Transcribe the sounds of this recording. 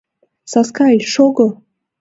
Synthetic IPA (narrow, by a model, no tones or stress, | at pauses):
saskʰaiʂoɡə